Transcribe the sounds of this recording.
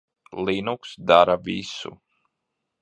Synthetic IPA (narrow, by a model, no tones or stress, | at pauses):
linuksd̪aɾavʲisṵ